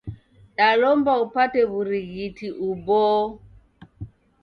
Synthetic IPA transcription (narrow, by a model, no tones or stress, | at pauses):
ɗalɔmbaupatɛβuɾiɣitʰiʔubɔ